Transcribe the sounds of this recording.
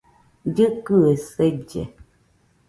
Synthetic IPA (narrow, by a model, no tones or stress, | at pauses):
dɨkʉəsɛd͡ʒɛ̰